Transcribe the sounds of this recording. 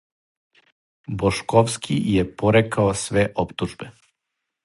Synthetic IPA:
boʃkoʋskʰijepoɾekaosʋeʔopt̪uʒbe

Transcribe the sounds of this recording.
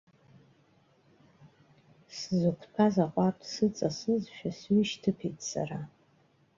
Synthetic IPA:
szɨkʷʰpʰazaqʷʼartʼʰsɨt͡sʼasɨzʃᶣasɥiʃtʰɨpʰejtʼsa̰ra

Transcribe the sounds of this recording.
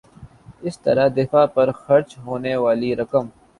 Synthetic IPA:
ɪst̪ɐ̰ɾad̪ɪfaːpɐɾxɐɾt͡ʃɦoːnewaːliɾɐkəm

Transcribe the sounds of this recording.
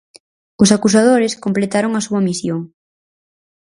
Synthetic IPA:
ʊsakusað̞oɾɪskomplet̪aɾoŋɐsuɐmisjoŋ

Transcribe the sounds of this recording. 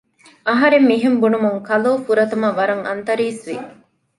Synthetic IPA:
ɐɦɐɾemːiɦembunumuŋkɐloːfuɾɐt̪ɐmɐʋɐɾɐŋɐ̰nt̪ɐɾiːsʋi

